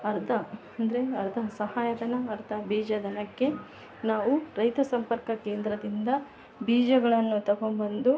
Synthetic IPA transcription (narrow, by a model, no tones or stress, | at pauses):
ɐɾd̪ʰʱɐɐnd̪ɐɾeɐɾd̪ʱɐsɐhaːjɐd̪ɐnɐːɾd̪ɐbiːd͡ʒɐd̪ɐnɐkːe̞ | naːʋuɾɐjt̪ɐsɐmpɐɾkɐkeːnd̪ɾɐd̪ind̪ɐ | biːd͡ʒɐɡɐɭɐnːut̪ɐɡombɐnd̪u